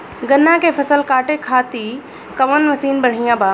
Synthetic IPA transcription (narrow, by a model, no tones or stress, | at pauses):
ɡɐnːãkʰeːfɐsəlkaːʈekʰaːt̪i | kɐʋənʋɐsiːnbɐɽ̤ijãbaː